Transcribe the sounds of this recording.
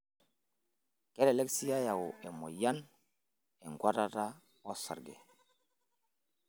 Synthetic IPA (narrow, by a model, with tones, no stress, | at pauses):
ke˦le˨le˦ksi˦ja˦ja˨wu˨e˨mo̰˨ja˦n | e˨ŋɡwa˦ta˦ta˦ | wo˦sa̰˨ɾɡḛ˨